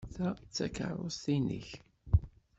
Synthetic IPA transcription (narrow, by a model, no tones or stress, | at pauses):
θæt͡sːæ̰kə̰ɾˤost̪inḭç